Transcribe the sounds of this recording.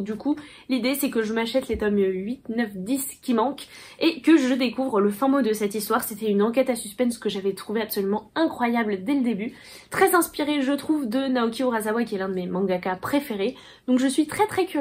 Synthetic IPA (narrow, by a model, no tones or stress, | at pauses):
d̪ykʰu | lid̪esɛkəʒəmaʃɛt̪let̪ɔmɥit̪nœfd̪iskʲimɑ̃kekəʒəd̪ekuvʁələfɛ̃mod̪əsɛt̪ist̪waʁset̪ɛynɑ̃k̬ʲɛt̪asyspɛ̃nskəʒavɛt̪χuveapsɔlymɑ̃ɛ̃kχwajabld̪ɛləd̪eby | t̪χɛzɛ̃spiʁeʒət̪χuvd̪ənaokʲioʁazawakʲiɛlɛ̃d̪əmemɑ̃ɡakapχefeʁe | d̪̥ɔ̃kʒəsɥit̪χɛt̪χɛkʲy